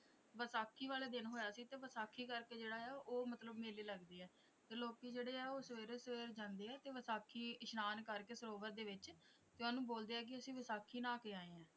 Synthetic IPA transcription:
ʋəsaːkʰːiːʋaːleːd̪ɪnɦoːjaːsiːt̪eːʋəsaːkʰːiːkəɾkeːd͡ʒeːɽaːɛːʔoːmət̪ləbmeːliːləɡd̪iːɛː | t̪eːloːkiːd͡ʒeːɽeːɛːoːsəʋeːɾesəʋeːɾd͡ʒãːnd̪eːɛːt̪eːʋəsaːkʰiːɪʃnaːnkəɾkeːsəɾoːʋəɾ̚d̪eːʋɪt͡ʃ | t̪eːɔːnũːboːld̪eːɛːk̬ɪəsĩːʋəsaːkʰiːnãːkeaːeːɛ̃ː

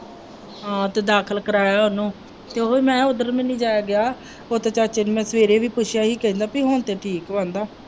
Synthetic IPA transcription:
ɦãːt̪eːd̪aːkʰəlkəɾaːjaːɦʊnũː | t̪eːoɦoːiːmɛ̃ːʊd̪əɾmɪniːd͡ʒaːjaːɡɪaː | oːt̪eːt͡ʃaːt͡ʃenːmɛ̃ːsəʋeːɾeːʋiːpʊʃʰjaːɦiːkɛɦĩːnd̪aːpiːɦoːnt̪eːʈʰiːkʋãːnd̪aː

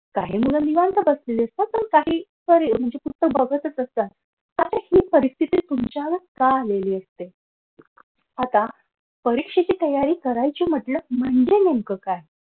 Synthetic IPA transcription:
kaɦiːmuləniʋant̪əbəsleliəst̪apəɾkaɦiː | pəɾim̤əɳd͡zeput̪ːəkbəɡʱət̪ət͡səst̪ət̪ | at̪əɾhipəɾist̪ʰit̪iːt̪umt͡ɕaʋəɾkaleliːəst̪e | at̪a | pəɾikʂet͡ɕiːt̪əjaɾiːkəɾajt͡ɕim̤əʈləm̤əɳd͡ʑenemkəkaj

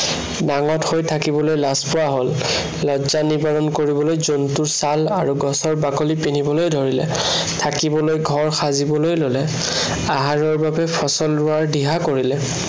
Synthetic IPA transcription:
naŋɔthojtʰakibɔlojlaspʊwaɦolː | ɔzanibɔɹɔnkoɹibɔlojzontuɹsalaɹuɡɔsɔɹbakolipinibɔlojdʱɔɹilɛ̰ | tʰakibɔlojɡʱɔɹxazibɔlojlolɛ | aɦaɹɔɹbabɛpʰɔsɔlːʊaɹdiɦakoɹilɛ

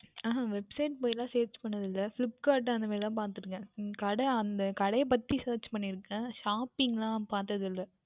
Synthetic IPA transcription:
aːaʋɛbsɐɪʈ̚poːjɪlãːseːɾt͡ʃpɐɳːɐðɪlːɐfɪlɪp̚kaːɾʈ̬ːɐnd̪ɐʋeːɾɪt̪ãːpaːɾt̪ɯɾɯŋɡɛ̃kɐɽɐɐnd̪ɐkɐɽɐjɐpɐt̪ːiseːɾt͡ʃpɐɳːɪɾɯkːɛ̃ʂaːpɪŋɡlãːpaːɾt̪ɐðɪlːɐ

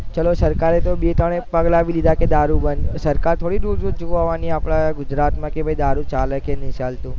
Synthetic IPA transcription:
t͡ʃəlosəɾkaɾet̪obet̪əɽ̃epəɡlaːʋilid̪ʱaked̪aɾubənsəɾkaɾt̪ʰoɽiɾud͡ʒud͡ʒoʋaʋaniapɽaɡʊd͡ʒɾat̪mãkebʱəid̪aɾut͡ʃaləkenɪʃalt̪ũ

